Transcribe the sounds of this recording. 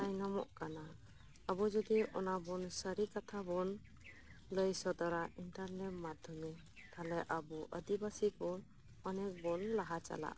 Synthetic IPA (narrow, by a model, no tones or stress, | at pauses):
ajnamɔʔkana | abɔd͡ʒɔd̪iʔɔnabɔnsəɾikat̪ʰabɔn | ləjsɔd̪aɾaʔinʈaɾnɛt̚mad̪ʱɔmɛ | t̪ʰalɛʔabuʔəd̪ibasikɔn | ɔnɛk̚bɔnlaɦat͡ʃa̰la̰ʔ